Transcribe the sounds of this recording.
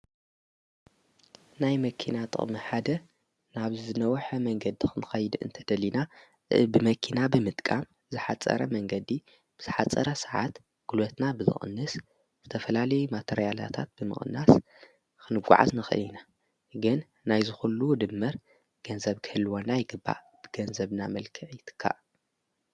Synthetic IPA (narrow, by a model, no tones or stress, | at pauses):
najmɐkʰinat̪ʼɨ̰χʼmɨħad̪ɐ | naβzɨnɐwħɐmɐŋɡɐd̪ixɨnɨxɐjɨd̪ɨ̰nt̪ʰɐd̪ɐlːina | bɨmɐkʰinabɨmɨt̪ʼkʼam | zɨħat͡sʼɐ̰ɾɐmɐŋɡɐd̪i | b̥ɨz̥ɨħat͡sʼːɐ̰ɾɐsɨʕa̰t̪ | ɡ̥ulot̪nabɨzɨ̰xʼɨ̰nːɨs | z̥ɨt̪ʰɐfɐlalɐjumat̪ʰeɾijala̰t̪ʰa̰t̪̚b̥ɨmɨ̰χʼɨ̰nːas | kʰɨnɨɡʷːṵʕa̰znɨxɨ̰lina | ɡɨn | najzɨxulːud̪ɨmːɨɾ | ɡ̥ɐnzɐβkʰɨhɨlːɨwonajɡɨbːa̰ | b̥ɨɡɐnzɐβna̰mɐlkʰɨʕjɪt̪ʰɨ̥kʰːa̰ʔ